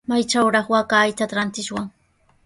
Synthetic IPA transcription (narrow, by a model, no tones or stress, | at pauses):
majt͡ʃawɾɑχwakajt̪at̪ɾant̪ɪʃwaŋ